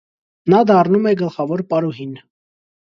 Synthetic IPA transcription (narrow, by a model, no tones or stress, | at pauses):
nɑd̪ɑrnumɛɡəlχɑvɔɾpɑɾuɦin